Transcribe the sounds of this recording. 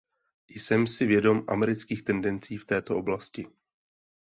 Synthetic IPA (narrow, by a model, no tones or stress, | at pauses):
jsɛmsɪvjɛdo̞mʔa̰mɛɾɪt͡skiːxt̪ɛndɛnt͡siːft̪ɛːt̪o̞ʔo̞blascɪ